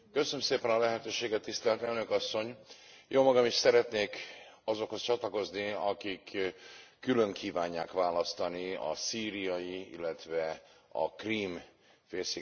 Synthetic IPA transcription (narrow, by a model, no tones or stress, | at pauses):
kø̞sønømseːpɛnɒlɛɦɛt̪øːʃeːɡɛt̪ːist̪ɛlt̪ɛlnøkɒsːo̞ɲjʔoːmɒɡɒmiʃsɛɾɛt̪neːkɒzo̞kho̞st͡ʃɒt̪lɒko̞zniɒkikʰː | ylø̞ŋkʰiːvaːɲːaːkʋaːlɒst̪ɒniɒ̰siːɾijɒjiḭlːɛt̪ʋɛɒ̰kriːm | feːlsi